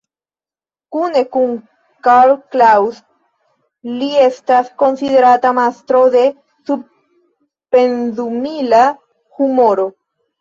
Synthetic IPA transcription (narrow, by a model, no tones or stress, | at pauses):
kune̞kun | kalklaws | lie̞stasko̞nside̞ɾatamastɾo̞de̞ | sub | pe̞nzumila | humo̞ɾo̞